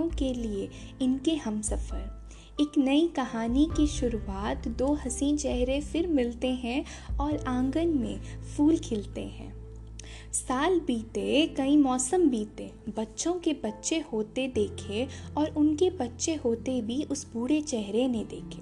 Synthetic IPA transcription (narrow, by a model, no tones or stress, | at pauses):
õkelie | ɪnkeɦɐmsɐfəɾ | ɪknɐikɐɦaːnikiʃʊɾuaːt̪d̪oːɦɐsĩt͡ʃɛɦɾefɪɾmɪlt̪eɦɛ̃ | ɔːɾãːŋɡənmḛ̃fʰuːlkʰɪlt̪ḛɦɛ̰̃ː | saːlbiːt̪ekɐĩmɔːsəmbʱiːt̪e | bɐtːʃõkebɐtːʃehoːt̪ed̪eːkʰeɔːɾʊnkebɐtːʃeɦoːt̪ebʱiʔʊsbuːɽet͡ʃɛɦɾened̪eːkʰeː